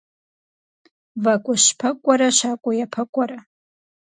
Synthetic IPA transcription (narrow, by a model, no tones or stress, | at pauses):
vakʷʼʊʃpʰɐkʷʼaɾaʃakʷʼʊjapʰɐkʷʼaɾa